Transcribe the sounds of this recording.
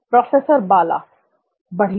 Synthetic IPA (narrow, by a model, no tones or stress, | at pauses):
pɾɔːfeːsəɾbaːla̰ː | bɐɽ̤i